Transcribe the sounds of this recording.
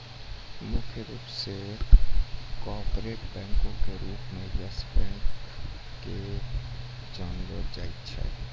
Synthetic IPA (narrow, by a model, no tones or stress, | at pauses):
mʊkʰjəɾuːpse | kɔːpɾeːʈbɛ̃ːŋkõkeɾuːpmeasbɛ̃ːk | ke | d͡ʒaːnʋəɾd͡ʒa̰ːɪt̪t͡ʃʰɛ̰